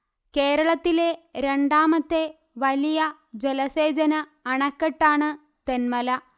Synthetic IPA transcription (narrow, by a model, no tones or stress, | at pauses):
ke̞ːɾɐɭɐt̪ːileɾe̞ɳɖaːmɐt̪ːe | ʋɐlijɐ | d͡ʑelɐse̞ːd͡ʑɐnɐː | ɳɐkːɐʈːaːɳɨ | t̪e̞nmɐlɐ